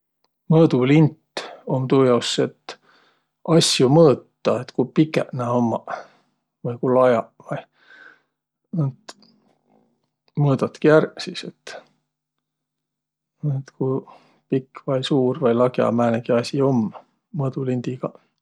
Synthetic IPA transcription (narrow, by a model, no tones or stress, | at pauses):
mɤːd̪ulint̪ːo̞mt̪uːjɑusːet̪ | ʔɑsjumɤːt̪ːˑɑet̪kupikːˑeʔnæomːɑ | vɤjkulɑjɑvɑj | not̪ | mɤːd̪̥ɑt̪kiærsiset̪ː | t̪kuj | pikːvɑjsuːrvɑjlɑɡjɑ̰mæːneɡ̥iɑsʲio̞mː | mɤːd̪̥ulind̪̥iɡ̥ɑ